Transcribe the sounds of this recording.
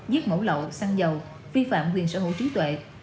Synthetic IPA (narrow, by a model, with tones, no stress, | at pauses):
zi˦˥ət̚mə˧˩wlə̰˧˨wsa˧ŋzə˨˩w | vi˧fa̰ː˧˨mkwi˨˩ənsə̰˧˩ɦo̰˧˨jt͡ɕi˨˦t̪wḛ˧˨